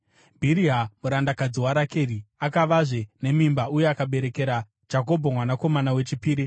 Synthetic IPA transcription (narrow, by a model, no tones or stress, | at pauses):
bʱiɾiɦamuɾandakad͡ziwaɾake̞riakaʋaʐe̞ne̞mimbaujeakaɓe̞ɾe̞ke̞ɾḁ | d͡ʒako̞bʱomwanako̞manawe̞t͡ʃipiːɾi